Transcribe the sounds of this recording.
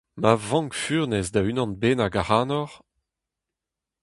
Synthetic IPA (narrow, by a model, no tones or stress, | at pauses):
mavɑ̃ŋkfyːʁnɛzdaynɑ̃nbeːnaɡaʁaːnɔʁ